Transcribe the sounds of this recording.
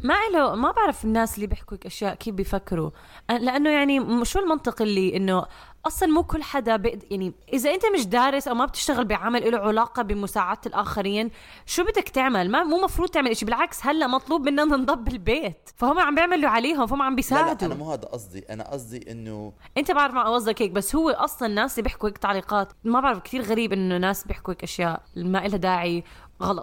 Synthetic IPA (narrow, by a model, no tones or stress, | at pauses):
maʔɪlomabɪʕɾɑfɪnːaːsliːbɪħkuɪkʔaʃjaːʔkʰeːfbijfakːɪɾu | ʔalɪʔanːojaʕniʃuːlmɑnt̪ˤɨqɪlːiːʔɪnːo | ʔɑsˤlɑnmuːkʊlːħad̪abɪʔ̪jaʕniʔɪzaʔɪnt̪amɪʃd̪aːɾɪsʔawmabt̪ɪ̥ʃt̪aɣɪlbɪjʕaːmalʔɪluʕʊlaːqɑbɪmʊsaːʕaːt̪alʔaːxaɾiːn | ʃuːbɪd̪ːakt̪ɪʕmalmamuːmɑfɾuːd̪̚ˤt̪ɪʕmalʔɪʃibɪlʕakshalːaʔmɑt̪ˤluːb̚mɪnːaʔnɪnd̪ˤɑbːɪlbeːt̪fahʊmːeʕambjɪʕmaluʕaleːɦʊmfahʊmːʕambisaːʕɪd̪amuːhaːd̪a̰ʔɑsˤd̪ˤḭʔa̰na̰ʔɑ̰sˤd̪ˤiʔɪ̰nːʊ̰ | ʔɪnt̪abɪʕɾˤɑfmaʕʔɑwɑzˤːɑkheːk̚basːhʊwːeʔɑsˤlɑnnːaːsɪlːiːbɪħkuheːk̚t̪aʕliːqɑːt̪mabɪʕɾɑfkt̪iːɾɣaɾiːbʔɪnːʊnːaːsbjɪħkuheːkʔaʃjaːʔmaʔɪlad̪aːʕi | ɣɑlɑt̪